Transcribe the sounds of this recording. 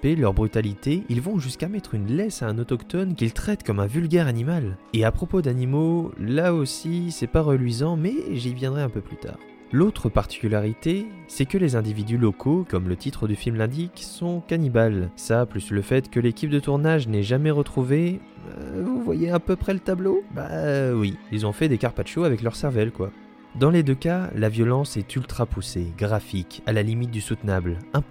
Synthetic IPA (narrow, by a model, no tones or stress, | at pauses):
pelœʁbʁyt̪alit̪eilvɔ̃ʒyskamɛt̪χynlɛsaɛ̃nɔt̪ɔkt̪ɔnkʲilt̪χɛt̪kɔmɛ̃vylɡʲɛʁanimaleapχɔpod̪animolaosisɛpaʁəlɥizɑ̃mɛʒivjɛ̃d̪ʁɛɛ̃pøplyt̪ʰa̰ːʁ | lot̪χəpaʁt̪i̥kʲylaʁit̪esɛkəlezɛ̃d̪ivid̪ylɔkʰokɔmlət̪it̪χəd̪yfilmlɛ̃d̪iksɔ̃kanibalsaplysləfɛt̪kəlekʲip̚d̪ət̪uʁnaʒnɛʒamɛʁət̪χuvḛ | vuvwa̰jeɛ̃pøpχɛlət̪abloba̰wiilzɔ̃fɛd̪ekaʁpat̪ʃoavɛklœʁsɛʁvɛlkwa | d̪ɑ̃led̪økalavjɔlɑ̃sɛt̪ʰylt̪χapuseɡʁafikalalimit̪̚d̪ysut̪nablɛ̃